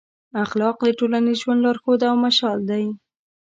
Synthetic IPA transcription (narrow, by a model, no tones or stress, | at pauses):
axlɑqd̪əʈolanizʒwand̪lɑɾxod̪aːwmaʃɑld̪aj